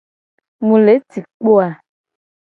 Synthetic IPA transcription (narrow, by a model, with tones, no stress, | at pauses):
mũ˨le˨˦ti˨k͡po˦a˨